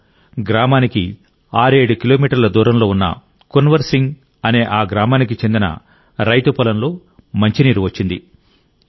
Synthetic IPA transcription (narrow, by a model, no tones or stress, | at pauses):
ɡɾaːmaːniki | aːɾe̞ːɽukilo̞ːmiːʈɐɾlɐd̪uːɾɐmlo̞ːunːɐ̰ | konʋɐɾsiŋɡ | ɐne̞ːʔaːɡɾaːmaːnikit͡ʃend̪inɐ̰ | ɾɐjt̪upɐlɐnlo̞ː | mɐɲt͡ʃiniːɾuʋɐt͡ʃːind̪ḭ